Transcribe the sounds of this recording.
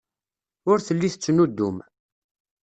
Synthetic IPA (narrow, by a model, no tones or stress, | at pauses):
ʊɾθəlːiθət͡sːnud̪ːum